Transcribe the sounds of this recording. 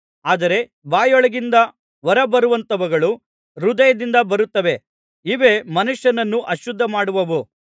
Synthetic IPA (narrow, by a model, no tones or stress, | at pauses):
aːd̪ɐɾe̞ | baːjɔɭɐɡind̪ɐ | ʋɐɾɐbɐɾuʋɐnt̪ɐʋɐɡɐɭu | ɾud̪ɐjɐd̪ind̪ɐbɐɾut̪ːɐʋe̞ | iʋe̞ːmɐnuʂjɐnɐnːuʔɐʃud̪ʱːɐmaːɽuʋɐʋu